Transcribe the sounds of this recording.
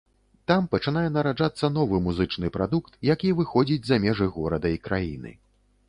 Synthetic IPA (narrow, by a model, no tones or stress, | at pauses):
t̪ampɐt͡ʂɨn̪ajɛnɐɾaʐat̪sːɐnɔvɨmuzɨt͡ʂnɨpɾad̪ukt̪jakʲivɨxɔd͡zʲid͡zʲzamʲɛʐɨɣɔɾɐd̪ɐikɾʔajḭnɨ̰